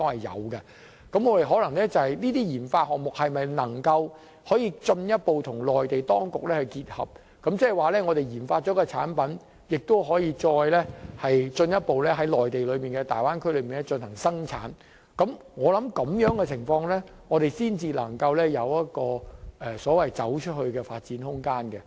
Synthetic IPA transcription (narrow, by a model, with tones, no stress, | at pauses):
t̪ɔː˥hɐ˨jːɐ̰˨˧wkɐ˧ | kɐ˨˥mŋɔː˨˧e˨jɦɔː˨˥lɐ˨˩ŋlɛ˥t͡sɐ˨whɐ˨jniː˥t̪iː˥jiː˨˩nfaː˧t̚hɔː˨k̚mʊ˨k̚hɐ˨jmɐ˨jnɐ˨˩ŋkɐ˧w | hɔː˨˥jiː˧t͡ʃɵ˧njɐ˥t̚po˨wt̪ʰʊ˨˩ŋlɔː˨˩jt̪e˨jt̪ɔː˥ŋkʊ˨k̚lɛː˥hɐ˨jkiː˧t̚hɐ̰˨p̚ | kɐ˨˥mt͡sɛː˥˨˩waː˨˩lɛː˥ŋɔː˨˧ɾe˨jjiː˨˩nfaː˧t̚t͡ʃɔː˨˥kɔː˧t͡sʰa̰ː˨˥npɐ˨˥n | jɪ˨k̚t̪o˥wɦɔː˨˥jiː˨˧t͡ʃɔː˧jlɛ˥hɐ˨jt͡ʃɵ˧njɐ˥t̚po˨wlɛː˥ɦɐ˨˥jlɔː˨˩jt̪e˨jlɵ˨˧miː˨˩nkɛː˧t̪a̰ː˨jwaː˥nkʰɵ˥lɵ˨˧miː˨˩nɛ˥t͡ʃɵ˧nhɐ˨˩ŋsɐ˥ŋt͡sʰa̰ː˨˥n | kɐ˨˥mŋɔː˨˧lɐ˨˦˥mkɐ˨˧˥mjœː˨˥ŋkɛ˧t͡sʰɪ˨˩ŋfɔː˧ŋlɛ˥ŋɔː˨˧t̪e˨jsiː˥nt͡siː˧lɐ̰˨˩ŋkɐ˧wlɛː˥jɐ˨˧wjɐ˥t̚kɔː˧ʔɛ˨sɔː˨˥wɐ˨jt͡sɐ˨˥wt͡ʃʰɵ˥t̚hɵ˧ɥkɛː˧faː˧t̚t͡siː˨˥nhʊ˥ŋkaː˥nkɛ˧